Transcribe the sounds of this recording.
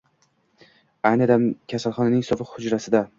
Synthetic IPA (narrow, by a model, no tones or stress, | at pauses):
ajnɪd̪amkʲʰasalˠχɒnanɪŋɪsɒbɪqhʊd͡ʒɾasɪd̪a